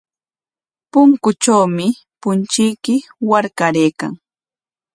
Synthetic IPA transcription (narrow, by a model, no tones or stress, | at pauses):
pʊŋkʊt͡ʃawmɪ | pʊnt͡ʃɪjkɪwaɾkaɾejka̰ŋ